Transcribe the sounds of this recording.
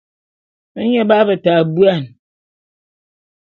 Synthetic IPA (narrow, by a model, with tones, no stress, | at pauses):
ə˦ɲe˦ba˦bə˨ta˨bwa˦˨n